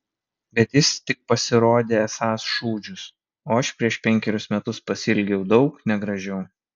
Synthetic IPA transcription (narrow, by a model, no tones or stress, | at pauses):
bʲɛt̪jɪst̪ʲɪk̚pɐsʲɪɾoːd̪ʲeːɛsɑːsʃuːd͡ʒʲʊs | oːɐʃpʲɾʲiɛʃpʲɛŋʲkʲɛɾʲʊsmʲɛt̪ʊspɐsʲɪlʲɡʲɛʊd̪ɒʊknʲɛɡɾɐʒʲɛʊ